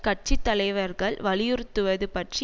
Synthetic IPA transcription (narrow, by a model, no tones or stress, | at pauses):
kɐʈ̚t͡ʃit̪ːɐlɐɪʋɐɾɣɐɭʋɐlɪjɯɾɯt̪ːɯʋɐðɯpɐʈri